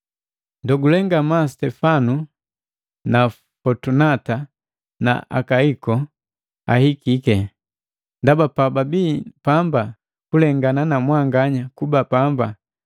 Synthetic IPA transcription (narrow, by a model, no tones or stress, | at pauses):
ndɔɡulɛŋɡamastɛfanu | na | fɔtunata | na̰ʔa̰kaikɔ | a̰hikikɛ | ndabapababiːpamba | kulɛŋɡananamwaŋɡaɲakubapamba